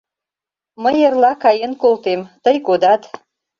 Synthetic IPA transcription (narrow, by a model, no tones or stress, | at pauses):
məjərlɑkɑjənkolt̪emt̪əjkod̪ɑt̪